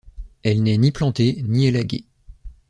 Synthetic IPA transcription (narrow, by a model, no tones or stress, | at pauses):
ɛlnɛniplɑ̃t̪enielaɡʲḛ